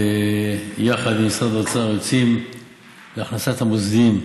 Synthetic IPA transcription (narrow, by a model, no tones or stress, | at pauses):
e | jaχad̪imsavat͡saʁot͡sim | leaχnasat̪hamuzd̪im